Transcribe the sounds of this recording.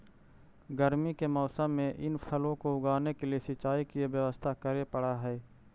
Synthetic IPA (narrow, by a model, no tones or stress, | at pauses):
ɡəɾmikemɔːsəmːẽʔɪnpʰəlõkoʊɡaːnekeliesɪt͡ʃːaːikieʋjəʋəst̪ʰakəɾepəɽaɦɛː